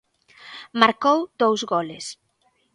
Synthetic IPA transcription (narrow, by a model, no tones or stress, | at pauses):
maɾkowd̪owzɣolɪs